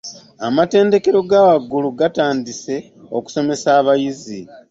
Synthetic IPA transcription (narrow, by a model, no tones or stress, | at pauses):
amate̞ːnde̞ke̞ɾo̞ɡaːwaɡuluɡataːndise̞ | o̞ku̥so̞me̞saːβajizi